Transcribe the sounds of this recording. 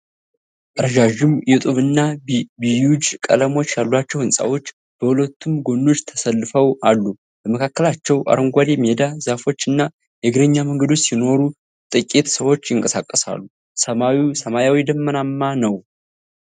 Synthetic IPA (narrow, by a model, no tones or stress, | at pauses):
ʔʼəɾʒaʒɨmjɛt̪ʼuβɨnːabijud͡ʒkʼə̰ləmo̞t͡ʃːjalːwat͡ʃːɛwhɨnsʼa̰wo̞t͡ʃː | b̥əhulət̪ʰːumɡo̞nːo̞t͡ʃːt̪ʰəsəlːɨfəwalːu | b̥əməkʰakːəlat͡ʃːɛwʔa̰ɾəmɡʷad̪emed̪azafo̞t͡ʃːɨnːa | jɛɡɨɾəɲːaməŋɡəd̪o̞t͡ʃːsino̞ɾu | t̪ʼɨkʼːet̪səwo̞t͡ʃːjɪŋkʼəsakʼːəsa̰lːu | səmawisəmajawid̪əmːənamːanəw